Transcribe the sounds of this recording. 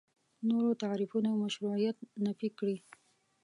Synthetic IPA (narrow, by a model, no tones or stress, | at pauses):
noɾot̪aɾifunawmaʃɾuʕijat̪nafikɽi